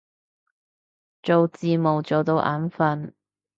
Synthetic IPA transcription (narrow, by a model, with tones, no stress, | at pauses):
t͡ʃo˨wt͡siː˨˧mo˨wt͡ʃo˨wt̪o˧wʔa̰ː˨˧˥nfɐ˨n